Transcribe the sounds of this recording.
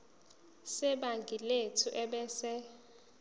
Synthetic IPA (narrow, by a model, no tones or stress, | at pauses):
sɛɓaŋɡʱiletʰuʔɛɓɛːsɛ